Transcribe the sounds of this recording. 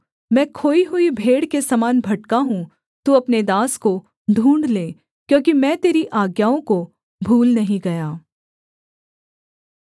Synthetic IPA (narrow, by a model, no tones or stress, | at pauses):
mɛ̃ːkʰoːiɦʊibʱeːɽkesɐmaːnbʱɐʈkaɦũ | t̪uɐpned̪aːsko | ɖ̪ʱũːɳɖleː | kjõːkimɛ̃ːt̪eːɾiʔaːɡjaːõko | bʱuːlnɐɦĩɡɐjaː